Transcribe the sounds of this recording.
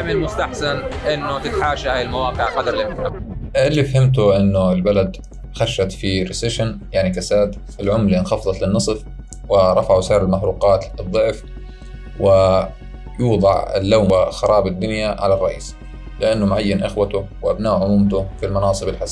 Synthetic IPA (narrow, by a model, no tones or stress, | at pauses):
ʕmɪlmʊst̪aħsanʔɪnːʊt̪ɪt̪ħaːʃahaːjɪlmawɑːqɨʕqɑd̪ɑɾˤlɪmɪaɪlːifahɪmt̪ʊʔɪnːʊɪlbalad̪ | xaʃːat̪fiɾɪsɪʃɪnjaʕnikasaːd̪ | ɪlʕʊmlinxɑfðˤɑt̪lɪnːɨsˤf | wɪɾˤɑfaʕusaːɾɪlmaħɾuːqɑːt̪ɨðˤːɨʕf | wɪ | juːd̪ˤɑʕɪ̰lːaːmxɑɾˤɑːbɪd̪ːʊnjaʕa̰larˤːɑʔḭːs | lɪʔanːʊmʕajːanʔɪxwat̪ʊwʔabnaːʔʕʊmuːmt̪ʊfɪlmɑnɑːsˤɨbɪlħas